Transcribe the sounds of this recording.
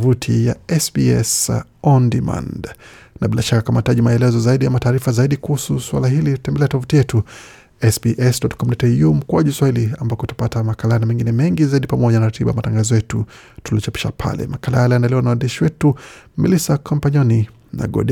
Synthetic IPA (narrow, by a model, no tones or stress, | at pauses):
vutʰijaɛsbiɛ̰sɔndima̰nd | naɓilaʃakakamataʄimaɛlɛzɔzaiɗiamataːɾifazaiɗikuhususwa̰laɦilitɛmbɛlɛatɔvutijɛtu | ɛsbiʔɛsdɔtkɔmdɔtɛjum̩kuaʄuswahiliambakɔtḁpatamakalaanamɛŋɡinɛmɛŋɡizaiɗipamɔʄanaɾatiɓajamataŋɡazɔjɛtu | tuliɔt͡ʃapi̥ʃapʰa̰lɛ̰makalajaliandalɛwanawandiʃiwɛtumḭlisakʰampaɲɔni | na̰ɡɔ̰ɗi